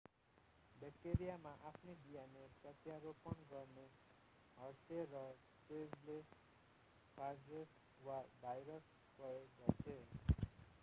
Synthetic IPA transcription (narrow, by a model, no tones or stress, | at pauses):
bek̚ʈeɾijamaʔapʰnibijanepʌt̪jaɾopʌnɡʌrne | ɦʌrserʌsted͡zle | pʰard͡zes | wabʱajɾʌs | pʌeɡʌt͡sʰe